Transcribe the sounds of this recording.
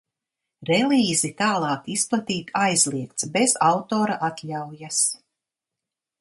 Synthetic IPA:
ɾɛlʲˠiːzit̪aːlˠɑːkisplˠat̪iːt̪ajzlˠiɛk̚t̪sbez̥awt̪oːɾaʔat̪lʲawjas

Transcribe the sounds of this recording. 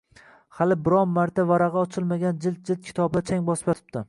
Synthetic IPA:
halɪbɪɾɒmmːaɾt̪ʰavaɾaʁɑɒt͡ʃʰɪlˠmaɡʲand͡ʒɪlt̪̚d͡ʒɪlt̪̚kʲʰɪ̥t̪ʰɒbɪd̪at͡ʃʰaŋʲbɒspjɒt̪ʰɪ̥pt̪ɪ

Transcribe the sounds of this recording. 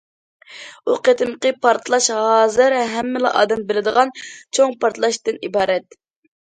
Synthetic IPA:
uqet̪ʰɨmqəpʰɑɾt̪ʰlˠɑʃɦɑːzɨɾɦɛmːɪlˠɑ̰ʔɑ̰ːd̪ɛmbɪlɪd̪əʁɑnt͡ʃʰoŋpʰɑɾt̪ʰlˠɑʃt̪ɨnibɑːɾɛt̪̚

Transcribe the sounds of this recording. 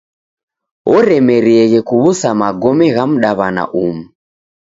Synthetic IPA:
ɔɾɛmɛɾiɛɣɛkuβusamaɡɔmɛɣam̩ɗaβana̰ʔumu

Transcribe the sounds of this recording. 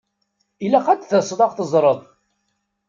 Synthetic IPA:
ilːæqæd̪θəsˤðˤɑʁθəzˤɾˤəðˤ

